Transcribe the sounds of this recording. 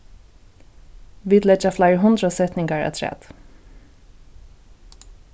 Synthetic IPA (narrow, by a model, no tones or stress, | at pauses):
ʋiːd̪lɛd͡ʒaflaɪɹɦʊnd̪ɾəsɛt̪nɪŋɡaɹa̰t̪ʰɾɛ̰ːd̪̥